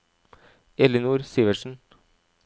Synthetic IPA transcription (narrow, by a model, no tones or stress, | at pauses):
ɛlənuːɾsiːʋəʂn̩